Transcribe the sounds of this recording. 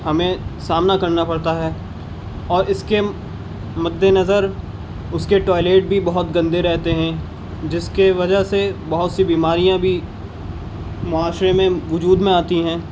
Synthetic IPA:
hɐmẽsaːmnakɐɾnapɐɽt̪aɦɛː | ɔːɾɪske | mɐd̪ʱːenɐzəɾ | ʊskeʈɔːɪleːʈ̚bʱibɐɦʊt̪ɡɐ̃nd̪eɾɛɦt̪eɦɛ̃ | d͡ʒɪskeʋɐd͡ʒəɦsebɐɦʊt̪sibiːmaːɾijãbʱi | mʊaːʃɾemẽʋʊd͡ʒuːd̪mẽaːt̪iɦɛ̃ː

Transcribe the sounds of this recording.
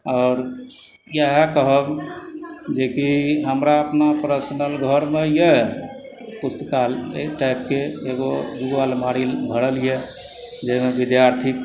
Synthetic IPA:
ɔːɾ | jeɦekəɦəb | d͡ʒekiɦəmɾaəpnapɾəsnəlɡʱəɾmeje | pust̪əkalḛʈajp̚keeɡod̪uɡʋalmaɽilbʱəɽəlije | d͡ʒemebid̪jaɾt̪ʰik̚

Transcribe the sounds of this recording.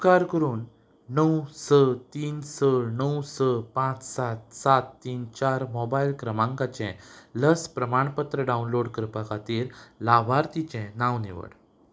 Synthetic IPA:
kaɾkəɾuːnː | əwsət̪iːnsənəwsəpãt͡ssat̪sat̪ːiːnt͡ɕaɾmɔbailkɾəmãŋkat͡ɕɛ̃ləspɾəmaɳpət̪ɾəɖaunloɽkəɾpakʰat̪iːɾlabʱaɾt̪it͡ɕɛ̃nãwnḭʋə̰ɽ

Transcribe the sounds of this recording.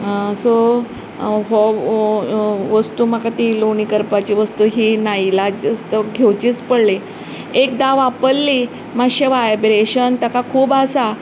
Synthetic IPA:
so | ɦo | ʋəst̪uːmakat̪iloɳiːkəɾpat͡ɕiʋəst̪uːɦiːnailad͡ʑəst̪əɡʱewt͡ɕiːt͡spəɽle | ekd̪aʋapəlːiː | maɕeʋaebɾeɕənt̪əkakʰuːbasa

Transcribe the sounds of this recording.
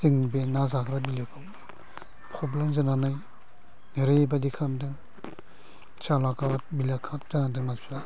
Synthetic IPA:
hiŋbenazakʰɾabilekʰɯw | pʰɾɔblemzɯnanaj | ɾebadikʰandɯŋ | t͡ʃalakat̚bilakʰat̚zanadɯŋmaspʰiɾa

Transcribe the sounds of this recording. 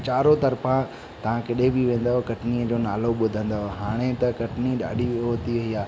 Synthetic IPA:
t͡ɕaːɾot̪ɐɾfã | t̪ɐʋ̤ãkɪɗebiʋẽːn̆d̪aɦokɐʈniəd͡ʑoːnaːloɓʊd̪ʱə̃nd̪aɦoɦaːɽ̃et̪ɐkɐʈniɗa̰ːɖʱiɦoːt̪iʋɐɦiaː

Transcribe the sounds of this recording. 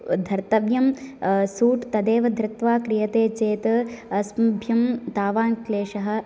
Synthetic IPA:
d̪ʱɐɾt̪ɐʋjɐmsuːʈt̪ɐd̪eːʋɐd̪ʱɾɪt̪ʋaːkɾijɐt̪eːt͡ʃeːt̪ɐɐsmɐbʱjɐmt̪aːʋaːŋkleːʃɐɦɐ̆

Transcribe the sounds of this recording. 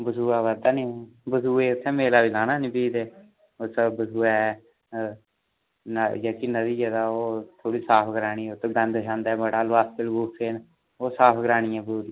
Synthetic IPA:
bəsuːaːʋəd̪aːnibəsuːeːʊt̪ʰːẽːmeːlaːbiːlaːnaːnĩːbiːd̪eː | ʊsbəsuːɛ | njəːkinəd̪iːd͡ʒed̪aːoːt̪ʰoːɽiːsaːpʰɡəɾaːɽ̃iːot̪ʰːeɡə̃nd̪ʃãːnd̪aɛːbəɽaːlʋaːst̪əlɡuːseːn | oːsaːpʰɡəɾaːɽ̃iːɛ̃ːbəsuːɾi

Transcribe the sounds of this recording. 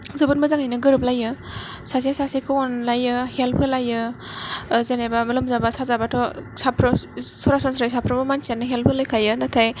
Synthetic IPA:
zɯbutmazaŋajnɯɡɯɾɯp̚lajɯ | sas̬iasasikʰɯɔnlajɯhelpʰɯlajɯ | zenebamɯlɯmzabasazabatʰɔsapʰɾɔsɔɾasɔnsɾajsapʰɾɔbɯmansianɯɦelpʰɯlajkʰajɯnatʰaj

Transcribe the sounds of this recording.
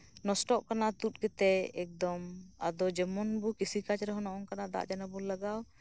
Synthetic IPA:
nɔsʈɔʔkanat̪ut̪̚ˀkɛt̪ɛɛk̚d̪ɔma̰d̪ɔd͡ʒɛmɔnbukisikat͡ʃɾɛɦɔnɔʔɔŋkanad̪a̰ʔd͡ʒanabulːaɡaw

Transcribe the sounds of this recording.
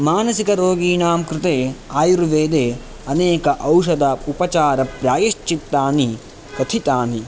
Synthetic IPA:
maːnɐsikɐɾoːɡiːɳaːmkɾɪt̪eːaːjuɾʋeːd̪eː | ɐneːkɐʔɐwʃɐd̪ɐupɐt͡ʃaːɾɐpɾaːjiʃt͡ʃit̪ːaːni | t̪ɐt̪ʰit̪aːni

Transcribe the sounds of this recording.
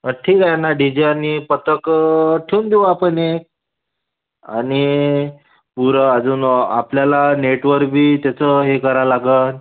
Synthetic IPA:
əʈʰiːkajnaɖid͡ʑeanipət̪əkʈʰeund̪eũapəɳek̚ | a̰ni | puɾəəd͡zuːna̰pljalaneʈʋəɾbʱiːt̪jat͡səɦekəɾalaɡən

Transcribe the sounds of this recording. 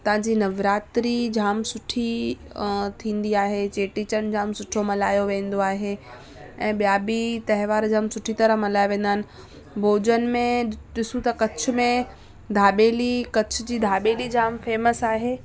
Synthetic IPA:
t̪ɐʋãːd͡ʑiːnɐʋɾaːt̪ɾid͡ʑʱaːmsʊʈʰi | t̪ʰĩːn̆d̪iaːɦet͡ɕeːʈit͡ɕənd͡ʑʱaːmsʊʈʰomɐlaːjoʋẽːn̆d̪oaːɦe | ɛ̃ːɓijaːbit̪ɐɦɪʋaːɾd͡ʑʱaːmsʊʈʰit̪ɐɾəɦmɐlaːjʋẽːn̆d̪aːɪnɪ̆ | bʱoːd͡ʑənɪ̆mẽɗɪsũt̪ɐkɐt͡ɕʰʊ̆mẽ | d̪ʱaːɓeːlikɐt͡ɕʰʊd͡ʑiːd̪ʱaːɓeːlid͡ʑʱaːmfeːməsaːɦeː

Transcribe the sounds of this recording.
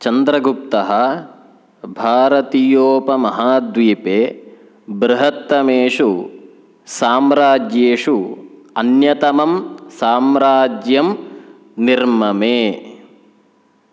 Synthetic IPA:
t͡ʃɐnd̪ɾɐɡup̚t̪ɐɦɐ | bʱaːɾɐt̪ijoːpɐmɐɦaːd̪ʋiːpeː | bɾɪɦɐt̪ːɐmeːʂu | saːmɾaːd͡ʒjeːʂu | ɐnjɐt̪ɐmɐmsaːmɾaːd͡ʒjɐm | niɾmɐmeː

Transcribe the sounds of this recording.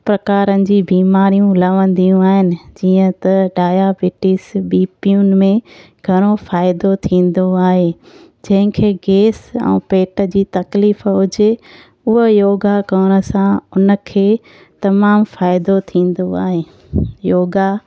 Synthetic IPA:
pɾɐkaːɾənɪ̆d͡ʑiːbiːmaːɾijũlɐʋə̃nd̪ijũaːɦɪnɪ̆d͡ʑiːə̃t̪ɐɖaːjabɪʈɪsbiːpijun̆mẽ | ɡʱɐɽ̃ofaːɪd̪ot̪ʰĩːn̆d̪oaːɦeː | d͡ʑɐ̃ɦɪ̃kʰeːɡeːsɛ̰̃ːpeːʈə̆d͡ʑiːt̪ɐkliːfɦʊd͡ʑe | ʊɦəjoːɡakɐːɽ̃ə̆sãʊnə̆kʰeː | t̪ɐmaːmfaːɪd̪ot̪ʰĩːn̆d̪oa̰ːɦeː | joːɡa

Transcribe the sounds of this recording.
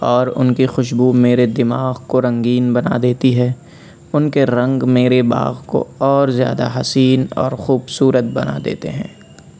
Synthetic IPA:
ɔːɾʊ̰nkixʊʃbumeːɾed̪ɪmaːɣkoɾɐ̃ŋɡiːnbɐna̰d̪eːt̪iɦɛ | ʊnkeɾɐ̃ŋɡmeːɾeba̰ːɣko̰ɔːɾzja̰ːd̪a̰ɦɐsiːnɔ̰ːɾxuːbsuːɾət̪̚bɐna̰d̪ḛːt̪ḛɦɛ̰̃ː

